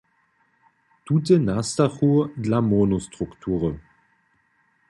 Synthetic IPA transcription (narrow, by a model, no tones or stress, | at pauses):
tut̬ənastaxudlamɔnustʁuktʰuːʁə